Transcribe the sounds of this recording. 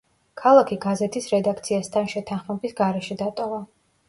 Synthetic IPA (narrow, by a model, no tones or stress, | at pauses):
kʰalˠakʰiɡazɛt̪ʰisɾɛd̪akʰt̪sʰiast̪ʰanʃɛt̪ʰanχmɛbisɡaɾɛʃɛd̪at̪ʼɔva